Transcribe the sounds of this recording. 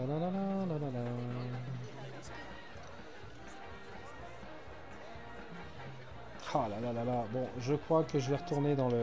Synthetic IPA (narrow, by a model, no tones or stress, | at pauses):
alalalalalala | halalalalabɔ̃ʒəkχwakəʒəvɛʁət̪ʰuʁned̪ɑ̃lə